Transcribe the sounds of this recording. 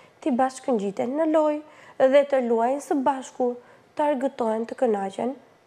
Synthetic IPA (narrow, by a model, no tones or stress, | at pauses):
t̪ibaʃkəɲd͡ʑit̪ɛnːəlɔjðɛt̪əluajnsəbaʃku | t̪əaɾɡət̪ɔɛnt̪əkənad͡ʒɛn